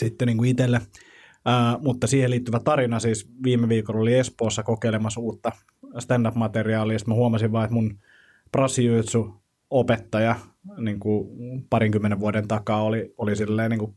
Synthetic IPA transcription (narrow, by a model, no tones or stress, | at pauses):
sit̪ːeniːŋkuit̪elːeː | mut̪ːɑsiːheliːt̪ːyʋæt̪ɑrinɑsiːsʋiːmːeʋiːkololiespoːsːɑkokeilemɑsuːt̪ːɑ | st̪ændɑpmɑt̪eriɑːliːest̪mæhuomɑsiʋʋɑːet̪mun | prɑsiut̪su | opet̪ːɑjɑniːŋkupɑriŋkymːeneʋʋuodent̪ɑkɑːoliolisilːeːniːŋku